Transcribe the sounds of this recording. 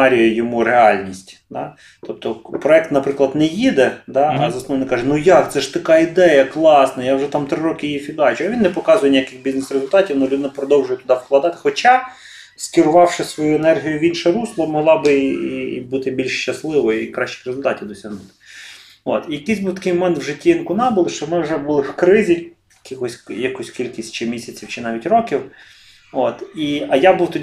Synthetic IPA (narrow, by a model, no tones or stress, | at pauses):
ɑɾʲijɐjɔmuɾeɑlʲnʲisʲtʲd̪ɑ | t̪ɔp̚t̪ɔpɾɔɛk̚t̪nɐpɾɪklˠɐd̪nɛjid̪ɛd̪ɑɐzɐsnɔʋɔnɪkɑʒɛnujɑkt̪sɛʃt̪ɐkɑid̪ɛjɐklˠɑsnɐjawʒɛt̪ɑmt̪ɾɪɾokɪjifʲid̪ɑt͡ʃʊɐʋʲinːɛpɔkɑzʊjɛnʲijakɪxbʲiznesɾezʊlʲt̪ɑtʲiwnulʲud̪ɪnɪpɾɔd̪ɔwʒʊjɛt̪ʊd̪ɑwklˠɐd̪ɑt̪ɪ̥xɔt͡ʃɑ | skʲɪɾʊʋɑwʃɪsʋɔjuɛnɛrɦʲijʊʋʲinʃɛɾuslˠɔmɔɦlˠɑbɪ̰ | but̪ɪbʲilʲʃʃt͡ʃɐslˠɪʋɔjikɾɑʃt͡ʃɪ̥xrezʊlʲt̪ɑtʲiwd̪ɔsʲɐɦnʊt̪ɪ̥ | o̰t̪ijɐkɪzʲbuwt̪ɐkɪjmɔmɛnt̪wʒɪtʲːiinkʊnɑbʊlˠɪʃt͡ʃɔmɪwʒɛbulˠɪwkɾɪzʲi | jɐkʲixɔsʲjɐkɔsʲkʲilʲkʲisʲtʲt͡ʃɪmʲisʲɐt͡sʲiwt͡ʃɪnɑʋʲitʲrɔkʲiw | ot̪iɐjabuwt̪ɔdʲi